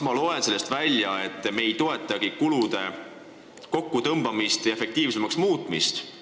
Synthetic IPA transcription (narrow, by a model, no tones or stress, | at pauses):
mɑlo̞e̞nse̞lːest̪vælʲjɑe̞t̪ˑːme̞jt̪o̞e̞t̪ːˑɑɡ̥ikulud̪e̞ | ko̞kːut̪ɤmb̥ɑmist̪jɑe̞fe̞k̚t̪iːvse̞mɑksmuːt̪ˑmist̪